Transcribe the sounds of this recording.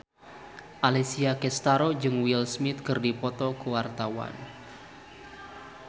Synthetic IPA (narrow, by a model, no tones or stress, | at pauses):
ʔalisiakɛst̪aɾod͡ʒɨŋwilsmɪt̪̚kɨrdipɔt̪ɔkəwart̪awa̰n